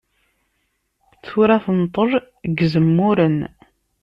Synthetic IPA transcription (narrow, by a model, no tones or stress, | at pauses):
t͡sːuɾæθənt̪ˤəɾˤ | ɡzəmːuɾən